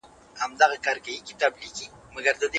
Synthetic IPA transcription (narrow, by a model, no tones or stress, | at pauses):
hamd̪aɣakaɾkajikɪ̥t̪abliki | maɡaɾd̪əd̪e